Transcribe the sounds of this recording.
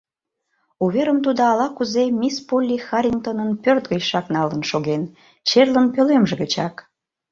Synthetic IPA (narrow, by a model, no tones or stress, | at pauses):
uβeɾəmt̪ud̪oɑlɑkuzemʲispolʲːixɑɾʲint̪onənpørt̪ɣəjʃɑknɑlənʃoɣen | t͡ɕerlənpølemʒeɣət͡ɕɑk